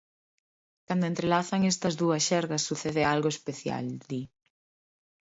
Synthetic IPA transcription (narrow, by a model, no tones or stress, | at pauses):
kand̪oent̪ɾelaθaŋest̪ɐzðuɐsʃɛɾɣɐsːuθeðealɣoespeθja̰ld̪i